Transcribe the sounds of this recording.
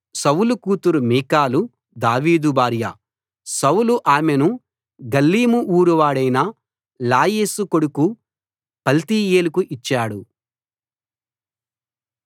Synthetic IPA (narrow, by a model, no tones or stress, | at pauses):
sɐwulukuːt̪uɾumiːkaːlu | d̪aːʋiːd̪ubaːɾjɐ̰ | sɐwuluʔaːmenu | ɡɐlːiːmuʔuːɾuʋaːɽɐjnɐ | laːjeːsukoɽuku | pɐlt̪iːjeːlukuʔit͡ʃːaːɽu